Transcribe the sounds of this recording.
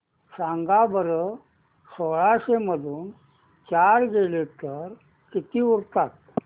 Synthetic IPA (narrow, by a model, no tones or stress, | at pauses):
saŋɡabəɾə | soɭaɕeməd̪ʱuːn | t͡ɕaɾɡelet̪əɾ | kit̪iːuɾt̪at̪̚